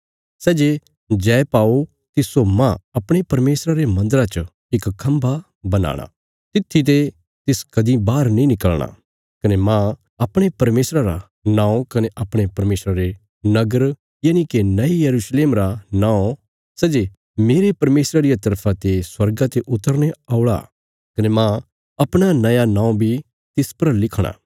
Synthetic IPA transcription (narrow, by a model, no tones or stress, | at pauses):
sɛːd͡ʒe | d͡ʒɛːpaːo | t̪ɪsomãɐpɽ̃epɐɾmeːsɾaɾemɐ̃nd̪əɾat͡ʃə | ɪkkʰːɐ̃mba | bɐna̰ːɽ̃a̰ | t̪ɪt̪ʰːit̪e | t̪ɪskɐd̪ibaːɾnĩnɪkəlɽ̃a̰ | kɐnemã | ɐpɽ̃epɐɾmeːsɾaɾa̰ | nãːõkɐneʔɐpɽ̃epɐɾmeːsɾaɾe | nɐɡəɾ | jaːnikenɐijɐɾuːsleːmɾanãːõ | sɛd͡ʒe | meːɾepɐɾmeːsɾaɾijat̪ɐɾpʰat̪eswɐɾɡat̪eʔʊt̪ːəɾneaʊɭa̰ | kɐnemã | ɐpɽ̃anɐjanãːõbʱi | t̪ɪspɐɾlɪkʰɽ̃a̰ː